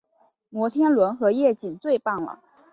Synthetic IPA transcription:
mwɔ˧˥t̪ʰjɛ˥nlwə˧˥nxɤ˧˥jɛ˥˩t͡ɕi˨˩nt͡swe˥˧ɪpɑ˥˩ŋlə̰˩

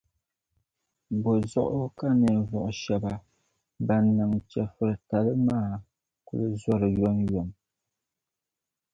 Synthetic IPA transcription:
bɔ˨zɔ̰˦ʔka˦nɛ˨vɔ˨ʔʃa˨ba˨ | ba˨nːa˨ŋt͡ʃɛ˨fɨ˨ɾɨ˨ta˨lɨ˦maː˦˨ | ku˦lɨ˦zwa˦ɾɨ˨jɔ˦njɔ˨m

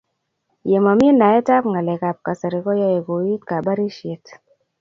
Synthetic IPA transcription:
je˨ma˨m˦i˦nda˨˦ɛ˦ta˦pŋɡa˨lɛ˨ka˨p̚ka˨sa˨ɾi˨kɔ˦jɔ˦ɛ˨ɡo˨ji˦t̚ka˨ba˦ɾi˦ʃe˨t

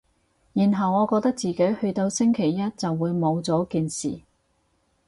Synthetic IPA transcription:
jiː˨˩nɦɐ˨wŋɔː˨˧kɔː˧k̚t̪ɐ˥k̚t͡siː˨˩ke˨˥jhɵ˧ɥt̪o˧wsɪ˥ŋkʰe˨˩jːɐ˥t̚t͡sɐ˨wːuː˨˧jmo˨˧wt͡sɔː˨˥kiː˨nsḭː˨˩

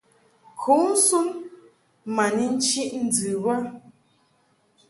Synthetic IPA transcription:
kʰu˨˦n̩˦su˦n | ma˨ni˦n̩˦t͡ʃi˦ʔn̩˨˦˨d͡zɨ˨βa˦

